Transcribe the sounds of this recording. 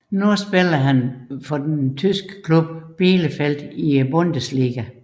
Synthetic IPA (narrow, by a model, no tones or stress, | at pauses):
nusb̥elɐɦænfɒd̥ent͡sʰysɡ̥ə̥kʰlub̥̚b̥iːləfel̰d̥ibɔnd̥əsliːɡ̥æ